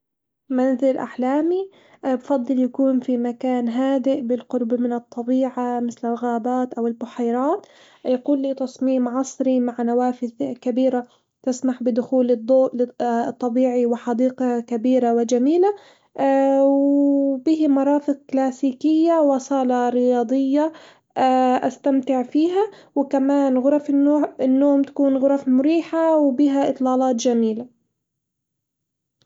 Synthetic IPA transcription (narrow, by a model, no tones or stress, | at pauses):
manzɪlʔa̰ħlaːmi | bfɑd̪ˤːɨljakuːnfimakaːnɦaːd̪ɪʔbɪlqʊɾbmɪnɨt̪ˤːɑbiːʕamɪθlɪlɣaːbaːt̪ʔawɪlbʊħajɾˤɑːt̪ | jaquːlːiːt̪ɑsˤmiːmʕɑsˤɾimaʕnawaːfɪðkabiːɾa | t̪ɪsmaħbɪd̪ʊxuːlɪd̪ˤːoːʔlɪt̪ˤːɑbiːʕiwɪħɑd̪iːqɑkabiːɾawɪd͡ʒamiːla | wbiːhmɑɾˤɑːfɪq̚klaːsiːkɪjːawɑsˤɑːlɑɾɪjɑːd̪ˤɪjːa | ʔa̰st̪amt̪ɪʕfiːɦawɪkamaːnɣʊɾˤɑfɪnːoːɪnːoːmt̪ḁkuːnɣʊɾˤɑfmʊɾiːħawbiːɦaʔɨt̪ˤlɑːlɑːt̪d͡ʒamiːla